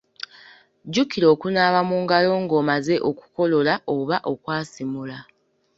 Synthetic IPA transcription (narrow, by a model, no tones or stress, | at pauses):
ɟukiɾo̞ːkunaːβamuːŋɡalo̞ːŋɡo̞ːmaze̞ʔoku̥ko̞lo̞laoβaʔo̞kwaːsimula